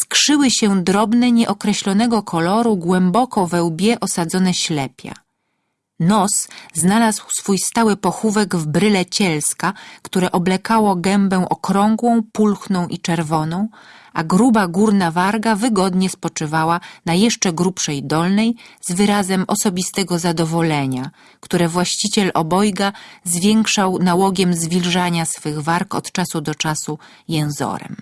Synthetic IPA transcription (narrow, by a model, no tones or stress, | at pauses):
skʂɘwɘɕɛd̪ɾɔbnɛɲɛʔɔkɾɛɕlɔnɛɡɔkʰɔlɔɾuɡwɛmbɔkɔvɛwbʲjɛʔɔsad̪zɔnɛɕlɛpʲja̰ | nɔsznalazwsfujst̪awɘpɔxuvɛɡvbɾɘlɛt͡ɕɛlskakt̪uɾɛʔɔblɛkawɔɡɛmbɛw̃ʔɔkɾɔŋɡwɔ̃w̃pulxnɔ̃w̃ʔit͡ʂɛɾvɔnɔ̃w̃ʔaɡɾubaɡuɾnavaɾɡavɘɡɔd̪ɲɛspɔt͡ʂɘvawanajɛʂt͡ʂɛɡɾupʂɛjd̪ɔlnɛjzvɘɾazɛmɔsɔbʲist̪ɛɡɔzad̪ɔvɔlɛɲa | kt̪uɾɛvwaɕt͡ɕit͡ɕɛlʔɔbɔjɡazvʲjɛŋkʂawnawɔɡʲjɛmzvʲilʐaɲasfɘɣvaɾkɔ̰t̪t͡ʂasud̪ɔt͡ʂasu | jɛ̃w̃zɔ̰ɾɛ̰m